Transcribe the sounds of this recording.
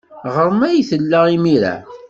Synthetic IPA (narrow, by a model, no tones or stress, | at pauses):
ʁəɾˤmæjθəlːæimiɾæ̰